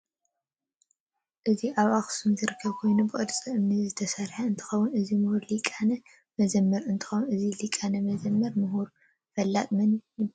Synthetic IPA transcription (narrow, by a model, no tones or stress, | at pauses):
ʔɨziʔaβaxsumzɨɾɨkʰːɐβkʰo̞jnubɨɨd̪t͡sʼɐʔɨmnizɨt̪ʰɐsɐɾħaɨnt̪ʰɨ̥xɐwʊnɨzimɨhuɾlikʼanɐ | mɐzɐmːɐɾɨnt̪ʰɨ̥xɐwunɨzilikʼanɐmɐzɐmːɐɾmɨɦuɾ | fɐlːat̪ʼmɐnj